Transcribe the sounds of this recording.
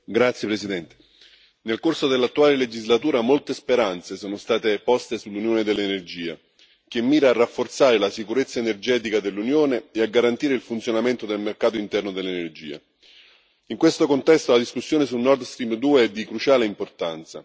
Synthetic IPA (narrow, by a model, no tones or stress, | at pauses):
ɡɾat̪sjepɾesid̪ɛnt̪e̥ | nelkorsod̪elːat̪ːuaːleled͡ʒizlat̪uːɾamolt̪espeɾant̪sesoːnost̪aːt̪epɔst̪esulːunjoːned̪elːenerd͡ʒiːa̰ | k̟emːiːɾaːrːafːort̪saːɾelasikuɾet̪sːaenerd͡ʒɛːt̪ikad̪elːunjoːneeaɡːaɾant̪iːɾeilfunt̪sjonament̪od̪elmerkaːt̪̬oint̪ɛrnod̪elːenerd͡ʒḭːa̰ | iŋkwest̪okont̪ɛst̪olad̪iskusːjoːnes̬ulnɔrd̪st̪ɾimd̪uːeɛd̪ːikɾut͡ʃaːleimport̪ant̪sa